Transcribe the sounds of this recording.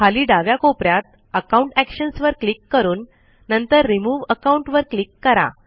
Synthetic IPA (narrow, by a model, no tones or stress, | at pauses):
kʰaliːɖaʋjakopɾjat̪̚ | əkauɳʈækɕənsʋəɾklikːəɾuːnː | ənt̪əɾːimuːʋəkauɳʈʋəɾklikːəɾa̰